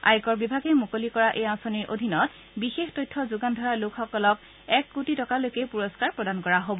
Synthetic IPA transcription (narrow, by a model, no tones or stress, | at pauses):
a̰jkɔɹbibʱaɡɛmukolikɔɹaʔejãsoniɹʔo̰dʱinɔt | bixextɔjtʰːɔzuɡandʱɔɹalokxɔkɔlɔk | ɛkːutitɔkalojkɛpuɹɔskaɹpɹɔdankɔɹaɦobɔ